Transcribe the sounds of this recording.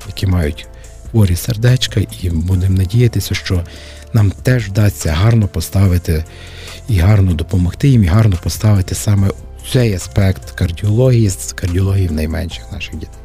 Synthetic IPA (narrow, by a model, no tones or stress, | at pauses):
jɐkʲimɑjʊtʲ | xʋɔɾʲiserd̪ɛt͡ʃkɐʔibud̪emnɐdʲijɐt̪ɪsʲɐʃt͡ʃɔ | nɑmt̪ɛʒd̪ɑːɐɦɑrnɔpɔst̪ɑʋɪt̪ɪ | iɦɑrnɔd̪ɔpɔmɔxt̪ɪjimiɦɑrnɔpɔst̪ɑʋɪt̪ɪsɑmɛ | t͡ssɛjɐspɛkt̪kɐrdʲiɔlˠɔɦʲijikɐrdʲiɔlˠɔɦijiwnɐjmɛnʃɪ̥xnɑʃɪxdʲit̪ɛj